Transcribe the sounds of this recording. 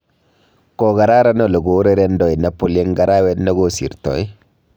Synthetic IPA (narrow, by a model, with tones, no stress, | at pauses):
kɔɡa˨ɾa˦ɾa˦nolo˨ɡo˨ɾe˦ɾɛndɔ˨jina˨po˨le˦ŋɡa˨ɾawɛ˦dna˦ɡo˦sḭ˨ɾtɔ̰˨j